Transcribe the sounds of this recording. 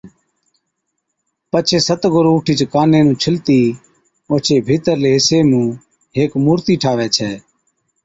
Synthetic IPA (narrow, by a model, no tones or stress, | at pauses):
pət͡ʃʰeːsət̪ɡʊɾuːʈʰiːt͡ʃkaːnẽːnũːt͡ʃʰɪlt̪iː | oːt͡ʃʰeːbʱiːt̪əɾleːɦɪseːmũː | ɦeːkmuːɾt̪iːʈʰaːʋɛːt͡ʃʰɛː